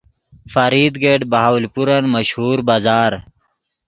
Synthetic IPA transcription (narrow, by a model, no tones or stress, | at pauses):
fɐɾiːd̪ɡeːɖbaɦawlpuɾɐnməɕhuːɾbaːzaːɾ